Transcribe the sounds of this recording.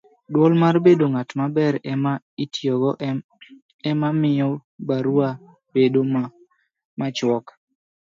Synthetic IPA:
dwɔlmarbedoŋatmabɛɾɛma | itjɔɡɔ | ɛmamɪɔbaɾwa | bedo | mat͡ʃwɔk

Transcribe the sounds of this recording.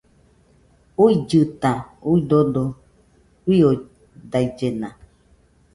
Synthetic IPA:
uid͡ʒɨt̪ãuidodo | wio | dajd͡ʒenã

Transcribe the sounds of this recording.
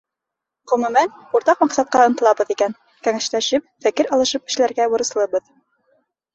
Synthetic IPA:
ʁɵ̆mʉmænuɾt̪ɑqmɑqsɑt̪̚qɑŏnt̪ɤ̆lˠɑbɤðikæn | kæŋæʃlæʃɘp̚fækɘɾɑlˠɤ̆ʃɤp̚kɘ̥̆ʃɘ̆læɾɡæwŏɾɤ̆slˠɤbɤð

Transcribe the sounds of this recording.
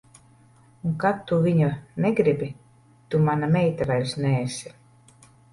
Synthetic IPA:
uŋkat̪ːuviɲuneɡɾibʲi | t̪umanamɛjt̪avælʲsnɛːsʲi

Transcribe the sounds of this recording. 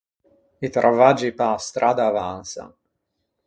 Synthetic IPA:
it̪ɾʔavad͡ʒipast̪ɾʔaːd̪aːvansa̰

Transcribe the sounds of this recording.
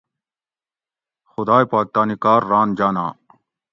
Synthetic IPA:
xʊd̪aːepaːk̚t̪aːnikaːɾːaːnd͡ʑaːnaː

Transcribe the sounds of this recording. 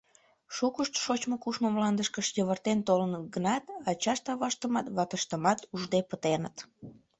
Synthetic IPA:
ʃukəʃt̪ʃot͡ɕmokuʃməmlɑnd̪əʃkəʃjəβərt̪ent̪olənət̪ɡənɑt̪ɑt͡ɕɑʃt̪ɑβɑʃt̪əmɑt̪βɑt̪əʃt̪əmɑt̪uʒd̪epət̪enə̰t̪

